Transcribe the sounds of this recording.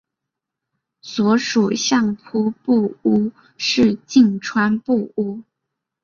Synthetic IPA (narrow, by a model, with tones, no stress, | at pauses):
swɔ˧˥ʂu˨˩ɕjɑ˥˩ŋpʰu˥pu˥˩u˥ | ʂɻ̩˥˧t͡ɕi˥˩ŋʈ͡ʂʰwa˥npu˥˩u˥